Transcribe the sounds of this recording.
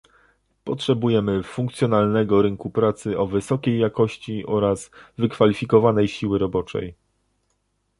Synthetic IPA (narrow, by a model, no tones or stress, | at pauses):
pɔtʂɛbujɛmɘfuŋkt̪sʲjɔnalnɛɡɔɾɘŋkupɾat̪sɘʔɔvɘsɔkʲejːakɔɕt͡ɕiʔɔɾaz̥vɘkfalʲifʲikɔvanɛjɕiwɘɾɔbɔt͡ʂɛ̰j